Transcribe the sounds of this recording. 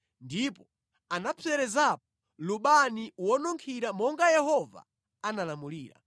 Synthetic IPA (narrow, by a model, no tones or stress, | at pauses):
ndipɔ | anapʰɛɾɛzap̚ɔ̥ | luɓaniwɔnɔŋkʰiɾamɔŋɡajɛhɔva̰ | analamulḭːɾa̰